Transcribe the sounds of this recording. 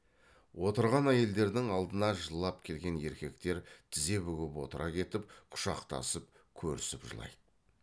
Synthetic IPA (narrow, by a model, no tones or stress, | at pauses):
wo̞t̪əɾʁɑnæje̞ld̪e̞ɾd̪ɪŋɑlˠd̪ənɑʒəlˠːɑpkʲʰe̞lɡʲe̞ne̞ɾkʲe̞kt̪e̞ɾt̪ʰɪze̞βʏɡʲɪpwo̞̰t̪əɾʔɑkʲʰe̞t̪ɪp̚qʰʊ̥ʃɑqt̪ɑ̰səp̚ | kʲʰɵɾɪ̰sɪpʒə̰lˠɑ̰jd̪̥ə